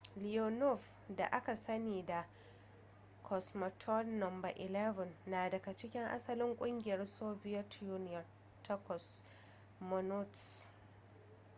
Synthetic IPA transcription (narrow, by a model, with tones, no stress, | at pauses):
lɪ˨jo˨nɔ˦fda̰˨ʔa˦ka˨sɐ˦niː˨da˨ | kʰɔ˨smɔ˨tʰɔ˦lnɐ˨mbɐ˨ʔɪ˨lɛ˦vɐ˨nːaː˨dɐ˨ɡa˨t͡ʃɪ˦kʲɪ˦ŋʔa̰˦sɐ˦lɪ˦ŋkʷʼʊ˦ŋɡʲɪ˨jɐ˦rsoː˦vɪ˦jɐ˦tjuː˦nɪ˦jɐ˨r | tʰɛ˦kɔ˨s | mɔ˦nʊ˦t